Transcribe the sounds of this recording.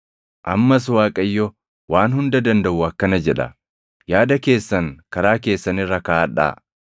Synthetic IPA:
ʔɐmːɐs̬waːkʼɐjːɔ | waːnhʊnd̪ɐd̪ɐnd̪ɐʔʊɐkːɐnɐd͡ʒɛᶑɐ̰ | jaːd̪ɐke̞ːsːɐŋkɐɾaːk̬e̞ːsːɐnɪrːɐkaːɐᶑa̰ː

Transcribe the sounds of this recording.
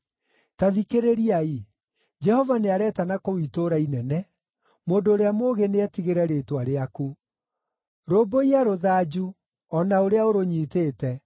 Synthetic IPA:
taðikeɾeɾiai | d͡ʒɛhɔvaneaɾɛːtanakowitoɾainɛnɛ | moːndoːɾeamoːɣeneɛtiɣeɾɛɾetwaɾeaku | ɾoːboiaɾoðad͡ʒu | ɔnaoɾeaoɾoɲiːteːtɛ

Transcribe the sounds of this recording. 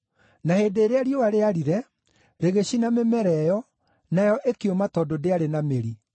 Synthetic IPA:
naheːndeːɾeaɾjowaɾeaɾiɾɛ | ɾeɣeɕinamemɛɾɛjɔ | najɔʔekeomatɔdodeaɾenameɾi

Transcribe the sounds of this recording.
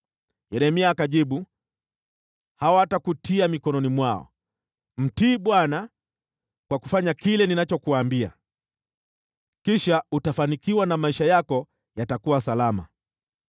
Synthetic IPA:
jɛɾɛmiaːkaʄiɓu | hawatakutʰiamikɔnɔnimwaɔ̰ | m̩tiːɓwana | kwaku̥faɲakilɛninat͡ʃɔkuaːmbia̰ | kiʃautafanikiwanamaiʃajakɔ | jatakuwasalama̰

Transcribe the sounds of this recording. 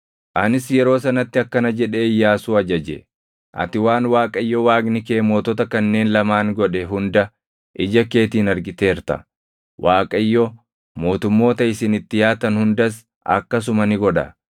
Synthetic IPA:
ʔɐnɪsjɛɾo̞ːs̬ɐnɐt̪ːɪɐkːɐnɐd͡ʒɛᶑeːɪjːaːsuːɐd͡ʒɐd͡ʒɛ̰ | ʔɐ̰t̪ɪwaːnwaːkʼɐjːɔwaːɡnɪke̞ːmo̞ːt̪ɔt̪ɐkɐnːe̞ːnlɐmaːŋɡɔᶑɛɦʊnd̪ɐ | ʔɪd͡ʒɐke̞ːt̪iːnɐɾɡɪt̪e̞ːɾt̪ɐ̰ | wʔaːkʼɐjːɔ | mo̞ːt̪ʊmːo̞ːt̪ɐɪsɪnɪt̪ːɪjaːt̪ɐnhʊnd̪ɐs | ʔɐ̰kːɐs̬ʊmɐnɪɡɔᶑɐ̰

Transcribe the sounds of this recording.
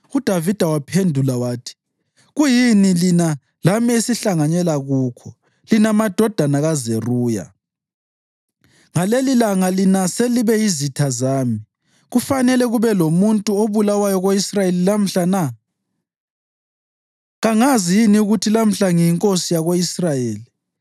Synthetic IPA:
ud̥ʱavid̥ʱawapʰendʱulawaːtʰi̥ | ɣujinilina | lamesiɬaŋaɲɛlaɣuːkʰɔ | linamad̥ʱɔd̥ʱanaɣazeruːja̰ | ŋalelilaŋalinaseliβɛjizitʰazaːmi | ɣufanɛlɛɣuβɛlomuntʼuoβulawajɔɣoisrajelilam̩ɬana | ɣaŋazijiniuɣutʰilam̩ɬaŋijiŋkʼosijaɣoisrajeːli

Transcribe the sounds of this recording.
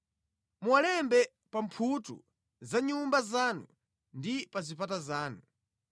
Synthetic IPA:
muwalɛmbɛ | pampʰutṵ | zaɲumbazaːnṵ | ndipazipatazaːnu

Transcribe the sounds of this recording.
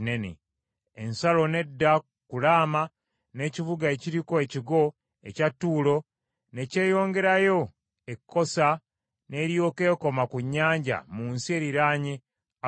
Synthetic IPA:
nenḛ | ensalo̞ne̞dːa | kulaːma | ne̞ːcivuɡaeciɾiko̞e̞ciɡo̞ | ḛcatːuːlo̞ | ne̞ce̞ːjo̞ːŋɡe̞ɾajo̞ | ekʰːo̞sa | ne̞ːɾjo̞ːke̞ːko̞makuɲːaːɲɟa̰muːnsie̞ːɾiɾaːɲe | a

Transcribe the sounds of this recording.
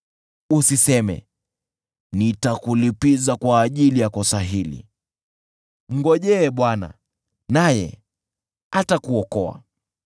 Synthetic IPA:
usisɛmɛ̰ | nitakulipizakwaːʄilijakɔsaɦilḭ | m̩ɡɔʄɛɓwana̰ | najɛ̰ | atakuɔkɔa̰

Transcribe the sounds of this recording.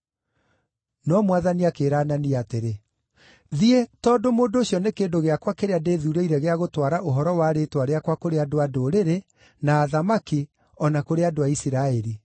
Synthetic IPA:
nɔmwaðaniakeːɾananiateɾe | ðietɔːdomoːndoːɕjɔnekeːndoɣeakwakeɾeadeːðuːɾeiɾɛɣeaɣotwaɾaʔoɦɔɾɔwaɾetwaɾeakwakoɾeadoadoɾeɾe | naːðamaki | ɔnakoɾeadoaisiɾaɛɾi

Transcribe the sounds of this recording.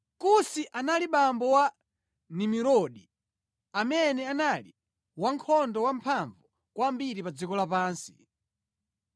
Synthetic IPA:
kusiʔanaliɓambɔwa | nimiɾɔɗi | amɛnɛanali | waŋkʰɔndɔwampʰaɱvu | kwambiɾipad͡zikɔlapaːnsi̥

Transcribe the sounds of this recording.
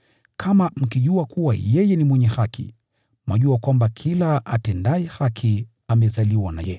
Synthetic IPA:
kʰamam̩kiʄuakuwa̰jɛjɛnimwɛɲɛhakḭ | maʄuakwambakʰilaatɛndaɛhakʰi | amɛzaliwana̰jɛ

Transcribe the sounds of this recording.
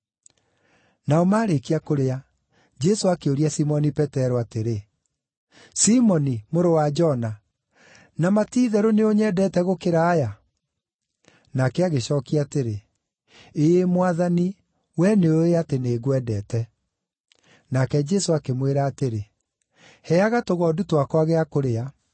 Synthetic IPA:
naɔmaːɾekiakoɾea | d͡ʒɛsoakeoɾiasimɔnipɛtɛɾoateɾe | simɔnimoɾowad͡ʒɔna | namatiːðɛɾoneoɲɛdɛtɛɣokeɾaːja | nakɛaɣeɕɔːkiateɾe | eemwaðani | wɛneoeateneːɣwɛdɛtɛ | nakɛd͡ʒɛsoakemweɾaːteɾe | hɛaɣatoɣɔdutwakwaɣeakoɾea

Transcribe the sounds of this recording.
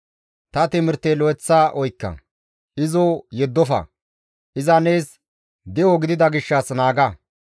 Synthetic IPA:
t̪ɐt̪ɪmɪɾt̪eːlɔɛt͡sːaːʔɔjkːɐ̰ | ʔɪzojɛd̪ːɔfɐ̰ | ʔɪzɐneːs | d̪ɪoɡɪd̪ɪd̪ɐɡɪʃːɐsnaːɡɐ

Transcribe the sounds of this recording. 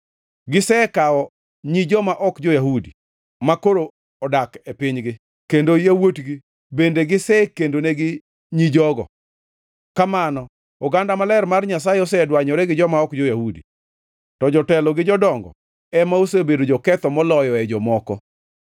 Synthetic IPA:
ɡɪsɛkaɔ | ɲid͡ʒɔmaʔɔkd͡ʒojaɦudi | makoɾo | ɔdakepɪɲɡɪ | kendojawotɡi | bendeɡɪsɛkendoneɡɪ | ɲid͡ʒɔɡɔ̰ | kamanɔ | ɔɡandamalɛrmarɲas̬ajeɔs̬ɛdwaɲɔɾɛɡɪd͡ʒɔmaɔkd͡ʒojahudḭ | tɔd͡ʒɔtɛlɔɡɪd͡ʒɔdɔŋɡɔ̰ | ɛmaosebedod͡ʒɔkɛt̪ɔmɔlɔjɔɛd͡ʒɔmɔkɔ̰

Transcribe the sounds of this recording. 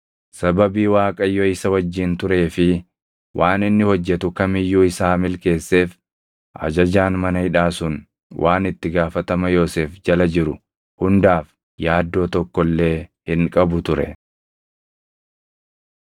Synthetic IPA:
sɐbɐbiːwaːkʼɐjːɔɪsɐwɐd͡ʒːɪnt̪ʊɾe̞ːfɪ | wʔaːnɪnːɪhɔd͡ʒːɛt̪ʊkɐmɪjːuːɪsaːmɪlke̞ːsːe̞ːf | ʔɐ̰d͡ʒɐd͡ʒaːnmɐnɐhɪᶑaːsʊn | wʔaːnɪt̪ːɪɡaːfɐt̪ɐmɐjoːseːfd͡ʒɐlɐd͡ʒɪɾʊ | hʊnd̪aːf | jaːd̪ːo̞ːt̪ɔkːɔlːe̞ːhɪŋkʼɐbʊt̪ʊɾɛ̰

